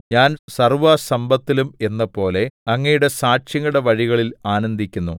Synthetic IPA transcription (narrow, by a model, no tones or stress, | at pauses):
ɲaːnsɐrʋɐsɐmbʱɐt̪ːilume̞nːɐpo̞ːle̞ɐŋːɐjuɽe̞saːʂjɐŋːuɽe̞ʋɐɻiɣɐɭilaːnɐnd̪ʱikʲːunːu